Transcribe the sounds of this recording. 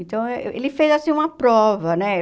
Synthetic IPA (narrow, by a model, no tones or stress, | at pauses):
nt̪ɐ̃w̃ɛelɪfezasĩũmɐpɾɔvɐnɛ